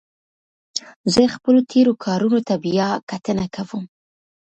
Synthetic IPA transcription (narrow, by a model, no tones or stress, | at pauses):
zəxpəlot̪ʰeɾokʰɑɾunot̪abijakat̪ənakawəm